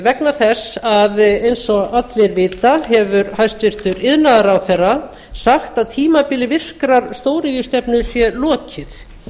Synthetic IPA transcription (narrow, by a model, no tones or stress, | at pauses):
vɛknaθɛsaðejnsɔat̪lɪɾvɪːt̪aɦɛvʏɾhajst̪vɪr̥t̪ʏɾɪðnaðaɾawθɛrːa | saxt̪aðt̪ʰiːmapɪlɪvɪr̥kɾaɾst̪oːwɾɪðist̪ɛpnʏsjɛlɔːcɪθ